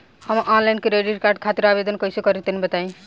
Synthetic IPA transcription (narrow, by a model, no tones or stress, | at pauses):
hʌmʔɔnlajnkiɾeɖiɾkaɾɖ̚kʰat̪iɾabed̪ʌnkʌjsokʌɾit̪enibʌt̪aĩ